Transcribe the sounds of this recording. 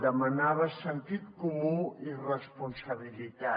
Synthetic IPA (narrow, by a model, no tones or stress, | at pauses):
d̪əmənaβəsənt̪it̪kumuirəspunsəβilit̪a